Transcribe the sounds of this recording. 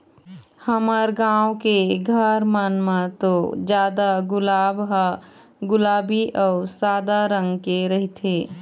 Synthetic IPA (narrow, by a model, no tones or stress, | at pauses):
həməɾɡãːwkeɡʱəɾmənmãt̪od͡ʒjaːd̪aɡʊlaːbɦ | ɡʊlaːbiʔɔːɾsaːd̪aɾə̃ŋɡkeɾɐɦit̪ʰeː